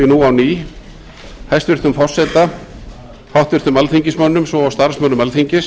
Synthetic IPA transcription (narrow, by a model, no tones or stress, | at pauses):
ɪnuːawniː | hajst̪vɪr̥t̪ʏmfɔr̥sɛt̪a | hawht̪vɪɾ̥t̪ʏmalθiɲcɪsmœnːʏmsvɔawst̪aɾ̥smœnːʏmalθiɲcɪs